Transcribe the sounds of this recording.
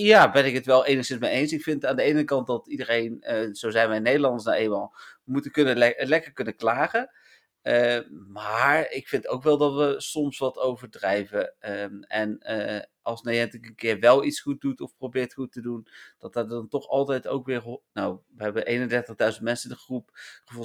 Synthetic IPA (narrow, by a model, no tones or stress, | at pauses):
jaːbɛnɪkətʋɛlˠejnəχsɪnsmejejnsɪkfɪntaːndəejənəkɑnt̚dɑtidərejnəz̥owzɛjnʋɛjnejdəlˠɑndəsnaʔejmalˠəmutəkɵnəlɛkəɹkɵnəklaːχə | əmaːɹɪkfɪntowkʋɛlˠdɑtʋəsɔmsʋɑtowvəɹdrɛjvə | ɛnʔɑlˠsnajɛntɪkənkɪːɹʋɛlˠitsχut̚dutɔfprowbɪːɹtχutədund̥ɑtəɹdɑntɔχɑlˠtɛjto̰wkʋɪːɹnowʋəɦɛbəʔejnəndɛɹtəχdœɥzənt̚mɛnsəɪndəχrupχəvu